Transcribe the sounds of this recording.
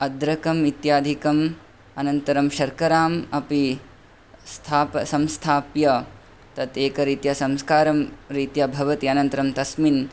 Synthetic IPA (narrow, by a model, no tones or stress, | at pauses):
ɐd̪ɾɐkɐmit̪jaːd̪ʱikɐm | ɐnɐnt̪ɐɾɐmʃɐɾkɐɾaːmɐpi | st̪ʰaːpsɐmst̪ʰaːpjɐ | t̪ɐt̪eːkɐɾiːt̪jasɐmskaːɾɐmɾiːt̪jabʱɐʋɐt̪iɐnɐnt̪ɐɾɐmt̪ɐsmin